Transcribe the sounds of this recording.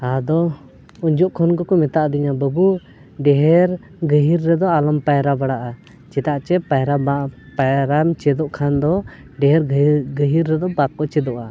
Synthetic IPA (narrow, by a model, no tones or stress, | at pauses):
ad̪ɔ | uɲd͡ʒɔʔkʰɔnkɔkɔmɛt̪aʔd̪iɲabəbu | ɖɛɦɛɾ | ɡəɦiɾːɛd̪ɔalampajɾabaɽaʔa | t͡ʃɛt̪aʔt͡ʃɛpajɾapaɾamt͡ʃɛd̪ɔʔkʰand̪ɔ | ɖɛɦɛɾɡəɦiɾːɛd̪ɔbakɔt͡ʃɛd̪ɔʔa